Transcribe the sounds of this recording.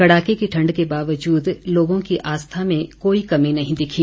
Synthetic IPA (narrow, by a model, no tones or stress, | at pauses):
kɐɽaːkekiʈʰɐ̃ɳɖkebaːʋəd͡ʒuːd̪loːɡõkiʔaːst̪ʰamẽkoːikɐmẽnɐɦĩd̪ɪkʰi